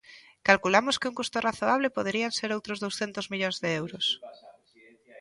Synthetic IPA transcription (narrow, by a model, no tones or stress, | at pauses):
kalkulamʊskɪuŋkust̪oraθoaβ̞lepoð̞eɾianseɾowt̪ɾozðowsθent̪ozmiʎonzðeewɾʊs